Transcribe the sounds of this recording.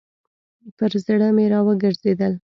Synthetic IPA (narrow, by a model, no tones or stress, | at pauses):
pəɾzɽəmeɾɑwəɡəɾzed̪əl